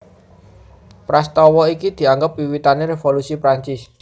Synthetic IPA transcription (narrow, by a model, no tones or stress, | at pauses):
pɾast̪ɔwɔikid̪̥i̤aŋɡəp̚wiwit̪aneɾefolusipɾaɲt͡ʃɪs